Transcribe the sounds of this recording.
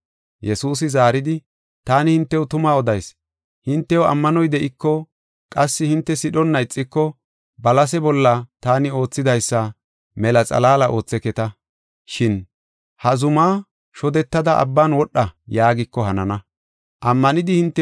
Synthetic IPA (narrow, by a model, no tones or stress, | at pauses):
jɛsuːs̬ɪzaːɾɪd̪ɪ | t̪aːnɪhɪnt̪ːɛwʊt̪ʊmaːɔd̪ɐjs | hɪnt̪ːɛwɐ̰mːɐnɔjd̪ɛʔɪkːɔ | kʼɐsːɪhɪnt̪ːɛsɪɗɔnːɐjt͡sʼːɪkːɔ | bɐlɐs̬ɛbɔlːɐt̪aːnɪo̞ːt͡sːɪd̪ɐjsːɐ | mɛlɐt͡sʼɐ̰laːlɐʔo̞ːt͡sːɛkɛt̪ɐ | ʃɪn | hɐzʊmaː | ʃɔd̪ɛt̪ːɐd̪ɐʔɐ̰bːaːnwɔɗːɐjaːɡɪkːɔhɐnɐnɐ | ʔɐmːɐnɪd̪ɪhɪnt̪ːɛ